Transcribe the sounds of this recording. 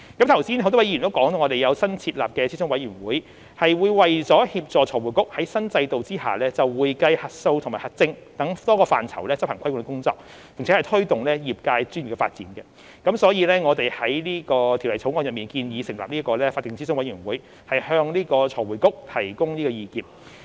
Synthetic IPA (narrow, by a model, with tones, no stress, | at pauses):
kɐ˨˥mt̪ʰɐ˨˩wsiː˥nho˧wt̪ɔ˥wɐ˥jnt̪o˥wkɔː˨˥ŋt̪o˧ŋɔː˨˧e˨jɐ˨˧wsɐ˥nt͡sʰiː˧t̚la̰ː˨p̚kɛː˧t͡sʰi˥sʊ˥ŋwɐ˨˥jyː˨˩nwuː˨˥j | hɐ˨jwuː˨˧jwɐ˨jt͡sɔː˨˥hiː˧p̚t͡sɔː˨˩t͡ʃʰɔː˨˩wuː˨˩jkʊ˥k̚hɐ˨˥jsɐ˥nt͡sɐ˧jt̪o˨wt͡siː˥ha̰ː˨˩lɛː˥t͡sɐ˨wwuː˨˧jkɐ˧jhɐ˨t̚so˧wt̪ʰʊ˨˩maː˨˩hɐ˨t̚t͡sɪ˧ŋt̪ɐ˨˥ŋt̪ɔː˥kɔː˧fa̰ː˨nt͡sʰɐ̰˨˩wlɛː˥t͡sɐ˥p̚hɐ˨˩ŋkʰɐ˥jwŋ˧kʊ˥ŋt͡sɔ̰ː˧k̚ | pʰɪ˨˩ŋʰː˨˥hjt̪ʰɵ˥ɥt̪ʊ˨ŋlɛː˥jiː˨˩p̚kaː˧jt͡ʃyː˥njy˨˩kɛ˧fa̰ː˧t̚t͡siː˨˥nkɛ˧ | kɐ˨˥msɔː˨˥jiː˨˧lɛː˥ŋɔː˨˧t̪e˨jhɐ˨˥jliː˥kɔː˧t̪ʰi˨˩wlɐ˨˩jt͡sʰo˨˥wŋɔː˧njɐ˨p̚miː˨˩nkiː˧njiː˨˧sɪ˨˩ŋla̰ː˨p̚niː˥kɔː˧lɛː˥faː˧t̚kɪ˨ŋt͡sʰiː˥sʊ˥ŋwɐ˨˥jyː˨˩wuː˨˥j | hɐ˨jhœː˧ŋliː˥kɔː˧t͡ʃʰɔː˨˩wu˨˩jkʊ˥k̚t̪ʰɐ˨˩jkʊ˥ŋniː˥kɔː˧jiː˧kiː˨˩p̚